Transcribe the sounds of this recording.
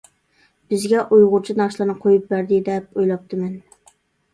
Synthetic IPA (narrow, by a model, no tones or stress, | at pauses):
b̥ɪzɡʲɛʔujʁʊɾt͡ʃʰinɑʃlˠɨɾnɨqʰojup̚bæɾd̪ɪd̪ɛp̚ojlˠɑp̚t̪ʰɨmɛn